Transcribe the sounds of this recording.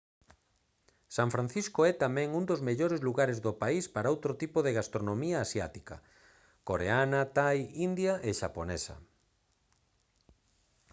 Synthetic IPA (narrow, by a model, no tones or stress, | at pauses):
saɱfɾãn̟θiskoɛt̪amɛ̃ŋund̪ozmeʎoɾezluɣaɾezðopaispaɾaowt̪ɾot̪ipoðeɣast̪ɾonomiaːsja̰t̪i̥kɐ̰ | koɾeanɐt̪ajind̪jaʔeʃa̰ponesɐ̰